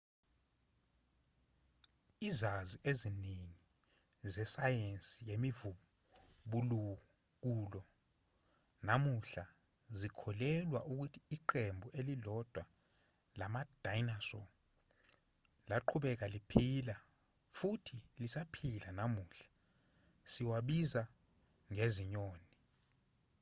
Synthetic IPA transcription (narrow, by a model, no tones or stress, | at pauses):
izaziʔezineŋi | zɛsajensʼijemivu | ɓulu | k̬ulɔ | namuɬa | zikʰɔlɛlwaʔuk̬utʰi̥ːǃembʱuelilɔd̥ʱwa | lamad̥ʱajnasɔ | laǃʰuɓɛk̬alipʰila | futʰilisapʰilanamuːɬḁ | siwaɓiza | ŋeziɲoːni